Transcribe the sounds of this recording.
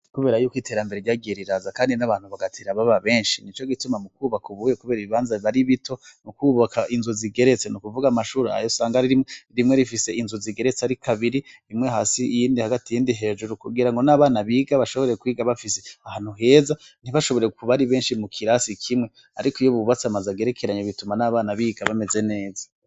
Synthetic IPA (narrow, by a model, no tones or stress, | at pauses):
kuβe̞ːɾajuːkwiːte̞ɾambeeɟaːɡieɾiɾazakaːndinaβaːn̥uβaɡatʰeːɾaβaβaβe̞ːnʃinit͡ʃo̞ɡitumamukuːβakuβuːjekuβe̞ːɾiβiβaːnzaβaɾiβitʰo̞nukuːβakʰaʔinzuziɡe̞ɾe̞t͡senukuvuɡamaʃuːɾea̰josaːŋɡaɾiɾimweɾimŋe̞ɾifise̞inzuziɡe̞ɾet͡seaɾikʰaβiɾiimweɦaːsiijiːndihaɡatijiːndiɦe̞ːʒuɾukuɡiɾaŋɡo̞naβaːnaβiːɡaβaʃo̞βo̞ɾekwiːɡaβafise̞ahan̥huɦe̞ːza | n̥iβaʃo̞βo̞ɾe̞ukuβaɾiβe̞ːnʃimukʰiɾasikʰimŋe̞ | aɾikoijoβuβat͡samazaɡe̞ɾekʰe̞ɾaɲeβitumanaːβaːnaβiːɡaβame̞ze̞ne̞ːzḁ